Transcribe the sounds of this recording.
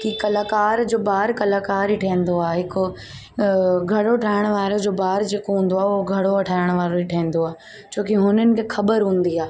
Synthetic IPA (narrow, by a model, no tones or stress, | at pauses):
kikɐlaːkaːɾd͡ʑoːbaːɾkɐlaːkaːɾiʈʰɐːn̆d̪oaːɦɪkʊ | ɡʱɐɽoʈʰaːɪɽ̃ʋaːɾod͡ʑoːbaːɾd͡ʑeːkoɦũːn̆d̪oaːʊɦoɡʱɐɽoɐʈʰaːɪɽ̃ʋaːɾoiʈʰẽːn̆d̪oaː | t͡ɕʰoːkiɦʊnənɪ̆kʰexʰɐbəɾɦũːn̆d̪iaː